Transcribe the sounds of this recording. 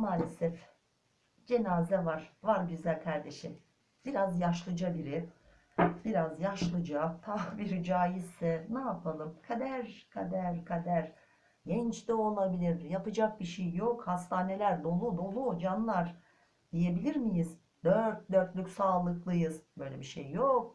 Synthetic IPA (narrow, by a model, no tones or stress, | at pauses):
maːlʲesɛf | d͡ʒe̞naːzɛvaɾ̥vaɾɟyzælʲkʰaɾd̪e̞ʃim | b̥iɾazjaʃlˠɯd͡ʒabiɾɪ | biɾazjaʃlˠɯd͡ʒat̪ʰabiɾd͡ʒaːjizɛnaːpʰalˠɯmkʰad̪æɾkʰad̪æɾkʰad̪æɾ̥ | ɟɛnt͡ʃt̪ʲio̞lˠabilʲiɾjapɯd͡ʒak̚biʃejːo̞khast̪ʰaːne̞lʲæɾd̪o̞lˠud̪o̞lˠud͡ʒanlˠaɾ̥ | d̪̥ije̞bilʲiɾmijiz | d̪øɾt̪̚d̪øɾt̪lʲycʲsaːlˠɯklˠɯjɯzbø̞jlʲebiʃejːok̚